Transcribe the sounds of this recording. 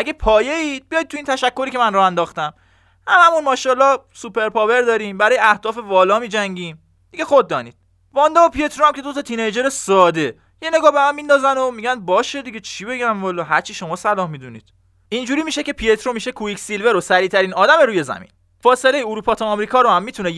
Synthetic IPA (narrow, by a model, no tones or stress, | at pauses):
ʔæɡe̞pʰɒːje̞iːd̪̥̚bijɒjt̪̚ʰːuint̪ʰæʃækʰːo̞ɾiːcʰe̞mænrɒːhænd̪ɒːxt̪æm | hæmæmunmɒːʃɒːlɒ | supe̞ɾpʰɒːve̞ɾd̪ɒːɾimbæɾɒːjeæhd̪ɒːfe̞vɒːlɒːmiːd͡ʒæŋɟiːm | d̪iɡe̞xod̪̚ːɒːnḭːd̪̥̚ | vɒːnd̪oopʰiet̪ʰɾoæmcʰe̞d̪ot̪ʰɒt̪ʰinejd͡ʒeɾesɒːd̪e̞ | jeneɡɒːhbe̞mæmːiːnd̪ɒːzæno̞miɟænbɒːʃe̞d̪iɟet͡ʃʰibe̞ɟæmvɒːlɒːɦæɾt͡ʃʰiʃo̞mɒːsælɒːhmid̪unḭːd̪̥ | ind͡ʒuɾiːmiʃe̞ce̞pʰiet̪ʰɾomiʃekʰuicsilve̞ɾosæɾiːt̪ʰæɾiːnɒːd̪æme̞ɾuːje̞zæ̰mḭn | fɒːselejeuɾuːpʰɒːt̪ʰɒːmɾiːkʰɒːɾohæmːiːt̪ʰune